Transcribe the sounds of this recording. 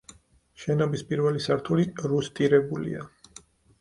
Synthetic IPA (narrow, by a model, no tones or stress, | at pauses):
ʃɛnɔbispʼiɾvɛlisaɾt̪ʰuliɾust̪ʼiɾɛbulḭa